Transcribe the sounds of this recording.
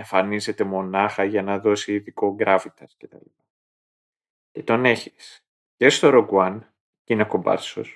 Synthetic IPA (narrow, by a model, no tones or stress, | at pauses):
eɱfɐnize̞t̪e̞mo̞nɐxɐʝɐnɐðo̞siːðiko̞ɡɾɐfit̪ɐsce̞t̪ɐ̰lipɐ | ce̞t̪o̞ne̞çi̥s | cest̪oɾoɡwɐn | cinɐko̞bɐ̰so̰s